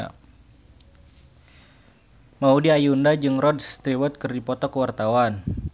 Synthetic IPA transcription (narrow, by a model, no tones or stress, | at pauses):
maudiajundad͡ʒɨŋrɔdst̪ɾiwət̪̚kɨrdipɔt̪ɔkəwart̪awan